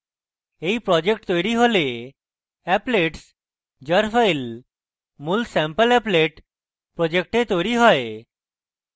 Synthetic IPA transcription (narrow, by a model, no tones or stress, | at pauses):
eipɾɔd͡ʑekʈt̪ɔjɾiɦole | ɛpleʈs | d͡ʒəɾfʰəɪl | mulsɛ̃mpəlɛpleʈ | pɾɔd͡ʒek̚ʈet̪ojɾiɦɔe